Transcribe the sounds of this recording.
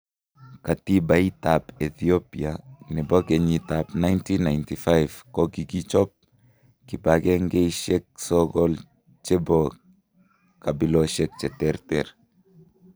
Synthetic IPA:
katibaitapeθiopianɛboɡeɲit̪apnajntinajntifajvkoɡiɡit͡ʃɔp̚ | kibaɡeŋɡejʃek̚sɔɡɔl | t͡ʃebo | kabiloʃek̚t͡ʃɛt̪ɛɾtɛɾ

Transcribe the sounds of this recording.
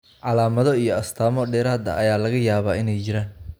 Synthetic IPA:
ʕɑlaːmɐðɔijɔɐst̪ʰaːmɔɖɛːɾaːd̪ɐ̰ʔɐjaːlɐɣɐjaːβaːɪnɛjt͡ʃɪɾaːn

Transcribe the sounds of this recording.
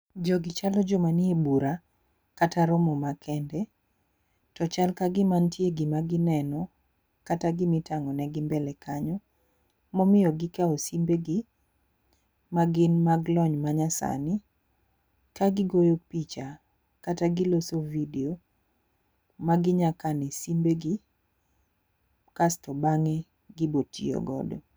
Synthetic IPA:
d͡ʒɔɡɪt͡ʃalɔd͡ʒɔmanɪebuɾa | kataɾɔmɔmakʰɛndɛ | tɔt͡ʃalkaɡɪmantjeɡɪmaɡɪnɛnɔ | kataɡɪmɪtaŋɔnɛɡɪmbɛlɛkaɲɔ | mɔmɪjɔɡɪkaosimbeɡɪ | maɡɪnmaɡlɔɲmaɲasa̰nɪ | kaɡɪɡojopit͡ʃa | kataɡɪlosovideo | maɡɪɲakanɛsimbeɡɪ | kastɔbaŋe | ɡɪbotḭo̰ɡɔ̰dɔ

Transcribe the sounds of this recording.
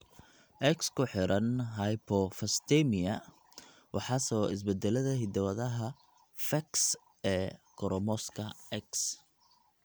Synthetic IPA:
ʔɛkskʰʊħɪɾɐnɦɐjpʰɔfɐst̪ʰɛmɪɐ | wʔɑħɑsɔɪs̬bɛd̪ɛlɐðɐɦɪd̪ɐwɐðɐɦɐ | fɐks | ɛːkʰɔɾɔmɔskʰɐɛks

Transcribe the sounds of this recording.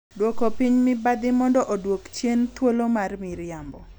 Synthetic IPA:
dwokopiɲmɪbad̪ɪmɔndɔʔodwokt͡ʃjent̪wolomarmiɾɪambɔ

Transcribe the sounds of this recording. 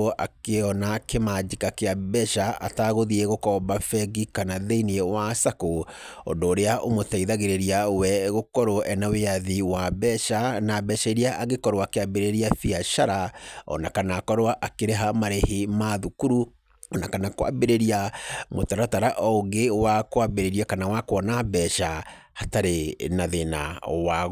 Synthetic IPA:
ʔa̰keɔnakemad͡ʒikakeabɛʃaʔa̰taɣoðiɛɣokɔbafɛɡikanaðeiniewasakoɔ̰ndoːɾeaʔomotaiðaɣeɾeɾiawɛɣokɔɾoʔɛnaweaðiwabɛʃanabɛʃaiɾiaʔaɣekɔɾwakeabeɾeɾiafiaʃaɾaɔ̰nakanaːkɔɾwaʔakeɾeɦamaɾehemaðukuɾu | ɔnakanakwa̰beɾeɾiamotaɾataɾaʔɔoɡewakwabeɾeɾiakanawakwɔnabɛʃahataɾenaðena̰wa

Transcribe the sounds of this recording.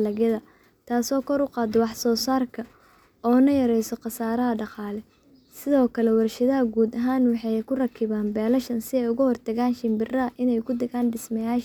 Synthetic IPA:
lɐɣjɐðɐ | t̪ʰaːsɔːkʰɔɾʊqɑːd̪ɔwɑħsɔːsaːrkʰɐ | ɔːnɐjɐɾɛjsɔqɑsaːɾɐɦɐɖɑqɑːlɛ | sɪðɔːkʰɐlɛwɐrʃɐðɐɦɐɡuːd̪ɐɦaːnwɑħɑjkʰʊrɐkʰɪβaːnbɛːlɐʃɐnsɪɛjʊɣʊhɔrt̪ʰɐɣaːnʃɪmbɪrɐɐʔɪnɛjkʰʊd̪ɐɣaːnɖɪsmɐjaːʃ

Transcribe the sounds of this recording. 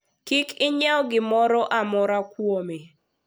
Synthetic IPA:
kikɪɲaɔɡɪmɔɾɔʔamɔɾakwome

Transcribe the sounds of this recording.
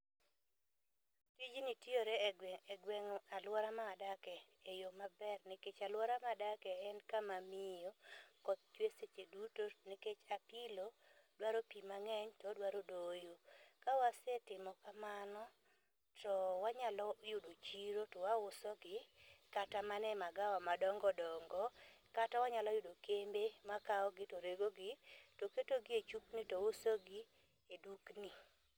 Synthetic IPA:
tid͡ʒnitioɾeɛɡwɛŋalwɔɾamaːdakɛ | ejomabɛrneket͡ʃalwɔɾamadakɛɛnkamamɪjokɔt̪̚t͡ʃweset͡ʃedutoneket͡ʃapilo | dwaɾopimaŋɛɲtɔdwaɾodojokawasɛtɪmɔkamanɔ | tɔwaɲalɔjʊdot͡ʃiɾotɔwawʊsɔɡɪkatamanɛmaɡawamadɔŋɡɔdɔŋɡɔkatawaɲalɔjʊdokembemakaɔɡɪtoɾeɡoɡɪtoketoɡɪet͡ʃuknitɔwʊsoɡɪ | edukni

